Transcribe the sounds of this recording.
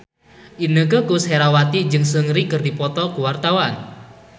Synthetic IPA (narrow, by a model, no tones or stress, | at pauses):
ʔinəkəkusheɾawat̪id͡ʒɨŋsəŋɾikərdipɔt̪ɔkuwart̪awan